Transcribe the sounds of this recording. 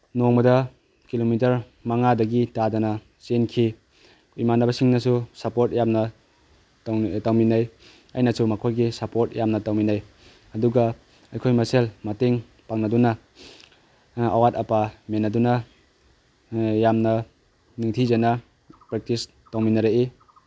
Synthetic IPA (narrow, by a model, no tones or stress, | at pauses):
noŋbɐdɐ | kilomitɐɾ | maŋadɐɡitadanɐ | senkʰi | imanɐbɐsiŋnɐsusapoɾt̚jamnɐ | tawminaj | ɐjnɐsumɐkʰojɡisapoɾt̚jamnɐtawminaj | ɐduɡa | ɐjkʰojmɐselmɐteŋ | paŋnɐdunɐ | a̰watapamenːɐdunɐ | jamnɐ | niŋtʰizana | pɾek̚tis | tawminɐɾee